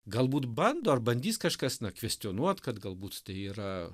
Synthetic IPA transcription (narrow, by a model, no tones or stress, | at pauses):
ɡɐlˠbuːt̪bɐnd̪oːɐrbɐnʲd̪ʲiːskɐʃkɐsnɐkʋʲɛsʲt̪ʲɪoːnuɔt̪kɐt̪ɡɐlˠbuːt̪t̪ɐɪiːɾɐ